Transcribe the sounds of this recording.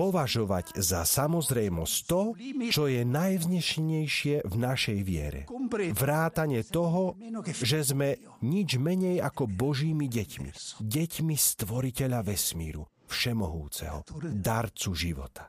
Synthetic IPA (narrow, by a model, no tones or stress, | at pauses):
pɔʋaʒɔʋa̰ɟzasamɔzɾɛjmɔst̪ɔt͡ʃɔjɛnajvzɲɛʃɲɛjʃɪɛvnaʃɛjʋɪɛ̰ɾɛ̰ʋɾaːt̪aɲɪɛt̪ɔɦɔʒɛzmɛ | ɲid͡ʒmɛɲɛjakɔbɔʒiːmiɟɛcmḭɟɛcmist̪ʋɔɾicɛʎaʋɛsmḭːɾṵ | fʃɛmɔɦṵːt͡sɛ̰ɦɔ̰d̪aɾt͡suʒiʋɔ̰t̪ḁ